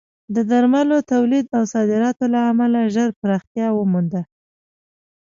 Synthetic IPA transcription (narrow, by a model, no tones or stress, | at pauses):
d̪əd̪aɾmalot̪awlid̪awsɑd̪ɪɾɑt̪olaamalaʒəɾpəɾɑxt̪jɑwəmund̪a